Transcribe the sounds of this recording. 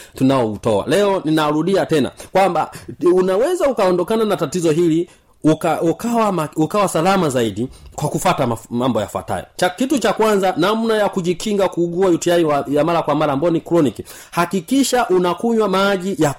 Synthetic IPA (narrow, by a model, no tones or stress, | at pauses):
tunaɔutɔa̰lɛɔninaɾuɗiatɛna̰kwamba̰unawɛzaukaɔndɔkananatatizɔɦili | ukaukawamaukawasalamazaiɗikwakufatamamambɔja̰fwa̰ta̰jɔ̰t͡ʃakitut͡ʃakwanzanam̩najakuʄikʰiŋɡakuːɡuajutiaiwajamaɾakwamaɾaːmbajɔnikɾɔniki | hakikiʃaʔunakuɲwamaʄija